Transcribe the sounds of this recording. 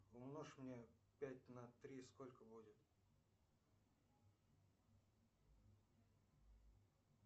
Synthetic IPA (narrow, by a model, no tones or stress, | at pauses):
ʊmnoʂmnʲepʲæt̚ʲnɐt̪ɾʲiskolʲkəbudʲɪt̪